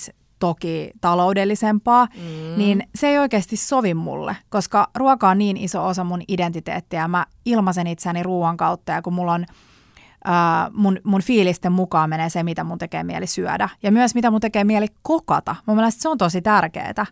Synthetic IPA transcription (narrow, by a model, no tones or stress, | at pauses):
s | t̪okiːt̪ɑloudelːisempɑːniːnseeijoikeːst̪issoʋimmṵlːḛkoskɑruɑkɑonniːnisoosɑmunident̪it̪ḛːt̪ːijɑmæ | ilmɑsenit̪sæːniruːɑŋkɑut̪ːɑjɑkumulːon | ʔəːmunmunfiːlist̪emmukɑːmenesemit̪æmunt̪ekḛːmiæ̰lisyæ̰dæjɑmyœsmit̪æmunt̪ekeːmiælikkokɑ̰t̪ɑmumelest̪seont̪osit̪ærkḛːt̪æ